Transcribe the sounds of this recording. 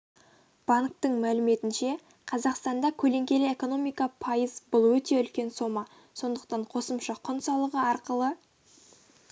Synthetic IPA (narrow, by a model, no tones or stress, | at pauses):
b̥ɑŋkt̪əɴmælɪme̞t̪ɪnʃe̞ | qʰɑzɑqst̪ɑnd̪ɑkʲʰɵle̞ŋkʲe̞lɪeko̞no̞mijkɑpʰɑjəzbʊlˠwɵt̪e̞ʏlkʲe̞nso̞mɑ | so̞nd̪əq̚t̪ɑɴqʰo̞səmʃɑqʰʊnsɑlˠəʁəɑɾqəlˠə